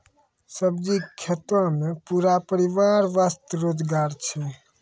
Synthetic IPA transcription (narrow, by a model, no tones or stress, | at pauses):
səb̚d͡ʒikʰːet̪ãmẽpuɾapəɾiʋaɾʋast̪əɾoːd͡ʒɡaːɾt͡ʃʰɛ